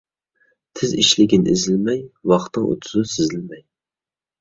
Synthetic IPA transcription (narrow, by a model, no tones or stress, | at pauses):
t̪ʰɪziʃlɪɡʲinɪ̰ʔizɪlmɛjwɑχt̪ːɨŋo̰t̪ʰʊ̥zusɪzɪlmɛj